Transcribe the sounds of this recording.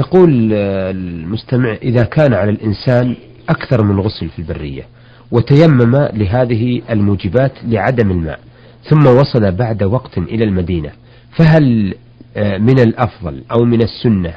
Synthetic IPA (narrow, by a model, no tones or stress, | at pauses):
t̪aquːllmʊst̪amɪʕʔɪðakaːnʕalalʔɪnsaːn | ʔakθɑɾˤmɪnɣʊslfilbarːɪ̰jːa̰ | wɪt̪ajamːamalɪɦaːðɪɦiʔalmuːd͡ʒɪbaːt̪lɪʕad̪amɪlma̰ːʔ | θʊmːawɑsˤɑlabaʕd̪awɑqt̪ʔɪlalmad̪iːna | faɦal | mɪnalʔɑfðˤɑ̰lʔawmɪnasːʊnːa